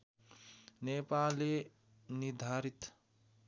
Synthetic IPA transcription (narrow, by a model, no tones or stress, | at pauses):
nepale | nid̪ʱaɾit̪